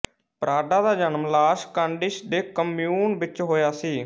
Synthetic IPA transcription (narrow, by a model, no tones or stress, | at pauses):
pɾaːɖaːd̪aːd͡ʒənmlaːʃkãːɳɖɪʃd̪eːkəmjuːnʋɪt͡ʃɦoːjaːsiː